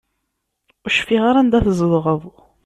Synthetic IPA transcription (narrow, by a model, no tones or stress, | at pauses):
ʊʃfiʁaɾænd̪æθəzəðˤʁəvˤ